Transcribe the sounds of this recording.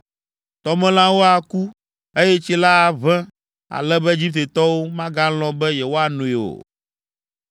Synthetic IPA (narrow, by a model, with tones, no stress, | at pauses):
t̪ɔ˨mɛ̃˦l̃ã˦wo˦a˨ku˦ | e˦jɛ˦t͡ɕi˦la˦˨vɛ̃˦ | a̰˨lɛ˦bɛ˦d͡ʑi˦p̚t̪e˨t̪ɔ˦wo˦mã˦ɡã˦lɔ̃˦bɛ˦jɛ˨wo˦a˨nũ˨i˨o̰˨